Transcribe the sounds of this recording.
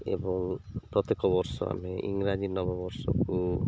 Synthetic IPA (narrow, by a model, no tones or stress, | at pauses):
ḛbɔŋpɾɔt̪ekɔbɔɾsɔ̰a̰meʔḭŋɾad͡ʒinɔbɔbɔɾsɔ̰ku